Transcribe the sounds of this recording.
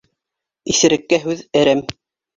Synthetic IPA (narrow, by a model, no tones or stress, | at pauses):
isɘ̆ɾɘ̆kːæɦʉðɘ̆ɾæm